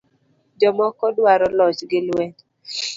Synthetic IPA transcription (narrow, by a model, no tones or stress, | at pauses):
d͡ʒɔmɔkɔdwaɾɔlɔt͡ʃɡɪlwɛ